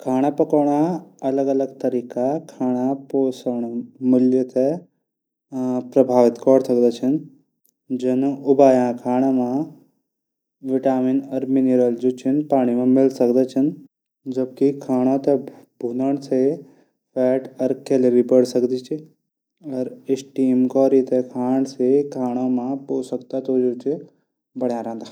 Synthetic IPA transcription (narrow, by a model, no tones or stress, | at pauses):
kʰaːɽ̃apɐkəɽ̃aɐləɡɐləɡt̪ɐɾiːkakʰaːɽ̃apoːsəɳ̃mɪljət̪ʰe | pɾɐbʱaːʋɪt̪kɔɽsəkd̪at͡ʃʰən | d͡ʒənʊbaːjãkʰaːɽ̃amã | ʋɪʈaːminɐɾmineɾəld͡ʒuːt͡ʃʰinpaːɽ̃imãmɪlsɐkd̪at͡ʃʰən | d͡ʒɐb̚kikʰaːɽ̃ãt̪ebʱuːnəɳ̃se | fɛːʈɐɾkeleʋibəɽsɐkd̪it͡ʃʰi | ɐɾɪsʈiːmkɔːɾit̪ekʰaːɳ̃sekʰaːɽ̃amãpoːsək̚t̪at̪od͡ʒot͡ʃʰi | bɐɽjãɾɐ̃ɦnd̪aː